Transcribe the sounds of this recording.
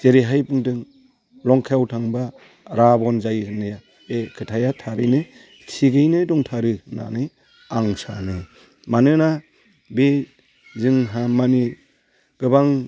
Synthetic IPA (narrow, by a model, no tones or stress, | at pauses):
teɾiɦajpɯŋdɯŋ | lɔŋkʰewtʰaŋba | ɾabɔnzajnɯja | ekʰɯtʰajatʰaɾɯjnɯ | tʰiɡɯjnɯdɔŋtʰaɾɯna̰nɯj | aŋsanɯ | manɯna | be | zɯŋɦamani | ɡ̥ɯbaŋ